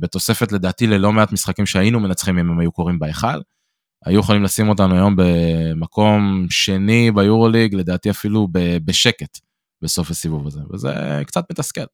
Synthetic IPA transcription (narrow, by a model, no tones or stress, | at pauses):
be̞t̪o̞se̞fe̞t̪le̞d̪aːt̪ile̞lo̞meat̪misχakimʃeainume̞nat͡sχimimemajuko̞ʁimbaeχal | a̰jujeχolimlasimo̞t̬anuajo̞mbe̞mako̞mʃe̞nibajuʁo̞liɡle̞d̪aːt̪iafilubebeʃe̞ke̞t̪ | beso̞fasivuvazevḛzḛkt͡sat̪mit̪aske̞l